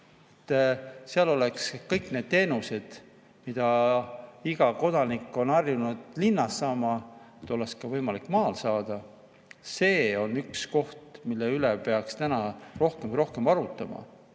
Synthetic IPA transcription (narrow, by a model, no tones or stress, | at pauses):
et̪ːseɑlo̞le̞kskɤjkne̞ːd̪̥̚t̪ːe̞ːnuse̞d̪̥ | mid̪̥ɑ | iɡ̥ɑko̞d̪̥ɑnikːˑo̞nɑrjunud̪̥linːɑsːɑːmɑet̪ːˑo̞lːeskɑvɤjmɑlikːˑmɑːlsɑːd̪̥ɑ | se̞ːo̞nyksko̞ht̪milːeylepe̞ɑkst̪ænɑro̞hkemkujɾo̞hke̞mɑɾut̪ːˑɑmɑ̰